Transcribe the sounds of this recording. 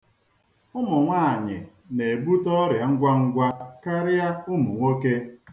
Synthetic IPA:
ʊ˦mʊ˨ŋʷa˦˨a˨ɲɪ̰˨ | ne˨e˨bu˦tɔ˦ɾja˨ŋ̩˦ɡʷa˦ŋ̩˦ɡʷa˦ka˦ɾɪ˦a˦ʊ˦mu˨ŋʷo˦ke˦

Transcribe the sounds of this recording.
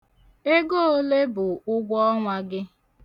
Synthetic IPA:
e˦ɡo˦o˦le˦bʊ˨ʊ˦ɡʷɔ˦ŋʷa˦ɡɪ˦

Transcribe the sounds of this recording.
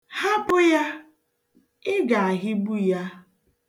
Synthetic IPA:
ha˦pʊ˦ja˦ | ɪ˦ɡa˨a˨ɦɪ˦bu˦ja˦

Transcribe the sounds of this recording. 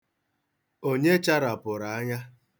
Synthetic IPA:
o˦ɲe˦t͡ʃa˦ɾa˨pʊ˨ɾa˨a˦ɲa˦

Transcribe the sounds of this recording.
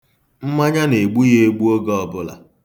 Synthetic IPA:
m̩˦ma˦ɲa˦ne˨ɡ͡bu˦je˦e˦ɡ͡bu˦o˦ɡɔ˦ɔ˨bʊ˦la̰˨

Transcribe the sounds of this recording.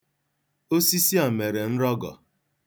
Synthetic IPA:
o˦si˦si˦a˨me˨ɾe˨n̩˦ɾɔ˦ɡɔ̰˨

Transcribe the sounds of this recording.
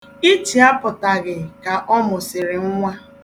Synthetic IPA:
i˦t͡ʃi˨a˦pʊ˨ta˨ɣɪ˨ka˨ʔɔ˦mʊ˨sɪ˨ɾɪ˨ŋ̩˦ŋʷa˦

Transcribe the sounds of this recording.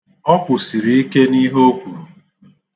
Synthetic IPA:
ɔ˦kʷʊ˨si˨ɾi˨i˦ke˦ni˦ɦo˦kʷu˨ɾu˨

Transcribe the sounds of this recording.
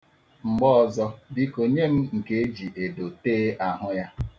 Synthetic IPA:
ŋ͡m̩˨ɡ͡bɔ˦ɔ˨zɔ˦bi˦ko˨ɲe˦m̩˦ŋ̩˨ke˦e˦d͡ʒi˨ʔe˨do˨teː˦ʔa˨ɦʊ˦ja˦

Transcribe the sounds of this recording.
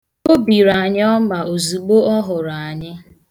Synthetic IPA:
o˦bi˨ɾa˨ɲ˦ɔ˦ma˨o˨zu˨ɡ͡bo˦ɔ˦ɦʊ˨ɾa˨a˨ɲɪ˦

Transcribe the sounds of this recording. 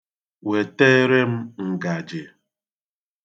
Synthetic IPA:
we˨te˦ɾe˦m̩˦ŋ̩˨ɡa˨d͡ʒe˨

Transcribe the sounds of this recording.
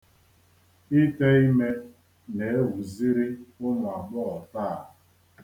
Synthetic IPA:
i˦te˦i˦me˦ | ne˨e˦wu˨zi˦ɾi˦ʊ˦ŋʷ˨a˨ɡ͡bɔ˦ɔ˨ta˦˨

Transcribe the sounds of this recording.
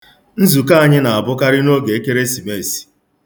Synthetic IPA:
n̩˦zu˨k̬a˦a˨ɲɪ˦na˨a˨bʊ˦ka˦ɾɪ˦no˦ɡe˨e˦ke˦ɾe˦si˨me˦˨si̥˨

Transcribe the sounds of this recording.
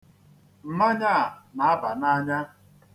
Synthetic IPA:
m̩˨ma˦ɲa˦a˨na˨a˦ba˨na˦ɲa˦

